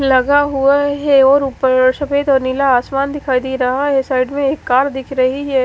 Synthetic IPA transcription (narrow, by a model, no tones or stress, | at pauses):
lɐɡaɦuaɦɛɔːɾʊpəɾʃɐfeːd̪ɔːɾnɪlaaːsmaːnd̪ɪkʰaːid̪iɾɐɦaɦɛsaːɪɖmẽeːkːaːɾd̪ɪkʰɾɐɦiɦɛː